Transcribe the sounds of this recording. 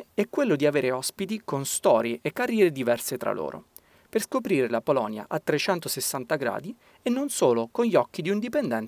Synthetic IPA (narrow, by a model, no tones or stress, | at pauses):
ɛkːwelːod̪iaveːɾeɔspit̪ikonst̪ɔːɾjeʔekːarːjɛːɾed̪ivɛrset̪ɾa̰lʔo̰ːɾo̰ | perskopɾiːɾelapolɔnja̰ʔat̪ːɾet͡ʃɛnt̪osesːant̪aɡɾa̰ːd̪i | enːonsoːlokonʎɔkːid̪iuind̪ipend̪ɛn